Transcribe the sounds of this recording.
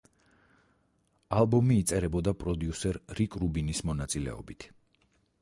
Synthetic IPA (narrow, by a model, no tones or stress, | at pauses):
alˠbɔmiːt̪sʼɛɾɛbɔd̪apʼɾɔd̪iusɛɾɾikʼɾubinismɔnat̪sʼilɛ̰ɔ̰bit̪ʰ